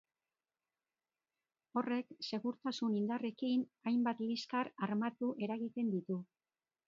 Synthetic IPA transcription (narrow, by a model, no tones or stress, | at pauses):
o̞re̞kse̞ɣuɾt̪asunind̪are̞kinajmbat̪liskaɾaɾmat̪uʔe̞ɾaɣit̪e̞nd̪it̪u